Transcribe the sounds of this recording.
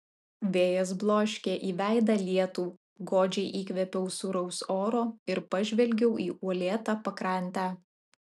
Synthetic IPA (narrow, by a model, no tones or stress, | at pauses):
ʋʲeːjɛs̬blˠoːʃʲkʲeːʔiːʋʲæˑɪd̪ɐlʲiɛt̪uː | ɡoːd͡ʒʲɛɪʔiːkʋʲɛpʲɛʊsʊɾɐʊsoːɾoːɪɾpɐʒʲʋʲɛlʲɡʲɛʊʔiːuɔlʲeːt̪ɑːpɐkɾɐˑnʲt̪ʲæː